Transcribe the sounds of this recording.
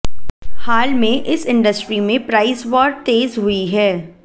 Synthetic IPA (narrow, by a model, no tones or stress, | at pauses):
haːlmẽʔɪsɪ̃ɳɖəsʈɾimẽpɾaːɪsʋɔːɾɖ̚t̪eːzɦʊiɦɛː